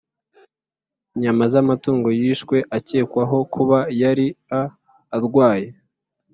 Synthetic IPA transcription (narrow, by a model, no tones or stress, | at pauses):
ɲamazamatuːŋɡo̞jiːʃkwe̞ʔace̞ːkwaɦo̞kʰuβajaɾiaː | ɾɡwaːje̞